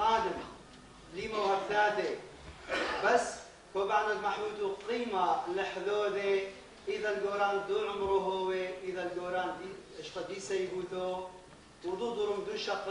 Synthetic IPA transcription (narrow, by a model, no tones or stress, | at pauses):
aːd̪ɪm | liːmawaɡd̪aːt̪e | basː | kobaʕnalmaħuːt̪uqiːmalɪħðoːd̪e | ʔiðalɡoːɾaːnd̪uːʕʊmɾuɦoweʔiðalɡoːɾaːnd̪iɪʃt̪ɑd̪iːsajbuːt̪oː | wɪd̪uːd̪ˤʊɾʊmd̪uːʃɑq